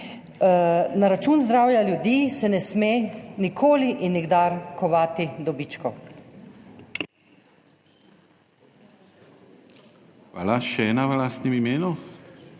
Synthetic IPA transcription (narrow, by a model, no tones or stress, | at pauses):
naɾat͡ʃuːnzd̪ɾaːwjaljud̪iːsɛnɛsmeːnikʰoːliʔinːiɡd̪aːɾkɔʋaːt̪id̪ɔbiːt͡ʃkɔ | xʋa̰ːlaʃɛɛːnaʋəlaːst̪nɛmimeːnu